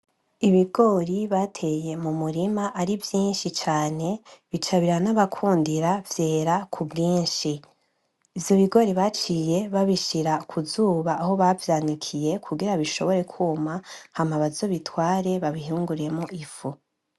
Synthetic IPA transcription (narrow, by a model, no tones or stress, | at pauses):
iβiɡo̞ɾiβatʰe̞je̞mumuɾimaʔaɾivjiːnʃit͡ʃaːne̞βit͡ʃaβiɾanaβakʰuːndiɾavjeːɾakʰubɡiːnʃi | ivjo̞βiɡo̞ɾiβat͡ʃije̞βaβiʃiɾakʰuzuːβaːɦo̞βavjaːnikʰije̞kʰuɡiɾaβiʃo̞βo̞ɾe̞kʰuːmahamaβazo̞βitwaːɾe̞βaβiɦuːŋɡuɾe̞moʔifu